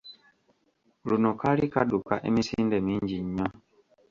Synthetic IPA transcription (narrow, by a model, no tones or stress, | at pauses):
lunokalikaɗukaʔemisindɛmiɲd͡ʒiɲːɔ